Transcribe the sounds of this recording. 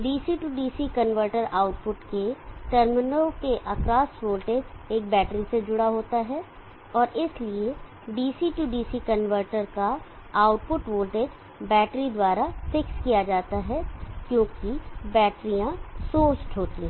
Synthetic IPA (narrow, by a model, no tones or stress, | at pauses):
ɖiːsiʈuːɖiːsikənʋəɾʈəɾaːʊʈpʊʈkeʈəɾmɪnokeʔɐkɾaːsʋoːlʈeːd͡ʒeːk̚bɛːʈɾised͡ʒʊɽaɦoːt̪aɦɛ | ɔːɾʔɪslie | ɖiːsiʈuɖiːsikɐnʋəɾʈəɾka | aːʊʈ̚pʊʈʋoːlʈeːd͡ʒ | bɛːʈɾid̪waːɾafɪkskijad͡ʒaːt̪aɦɛkjõːkibɛːʈɾijãsoːt͡ʃʈɦoːt̪ĩɦɛ̃